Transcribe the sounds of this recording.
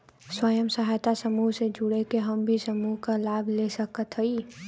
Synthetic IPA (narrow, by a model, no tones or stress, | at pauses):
swəjəmsəɦajt̪asəmuːɦsed͡ʒʊɽekeɦəmbʱisəmuɦkalaːbʱlesəkət̪ʰɦəi